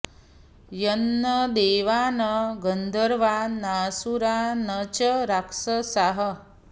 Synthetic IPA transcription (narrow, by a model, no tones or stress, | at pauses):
jənːəd̪eːʋaːnəɡənd̪ʱəɾʋanasuɾanət͡ʃəɾakʂəsaɦə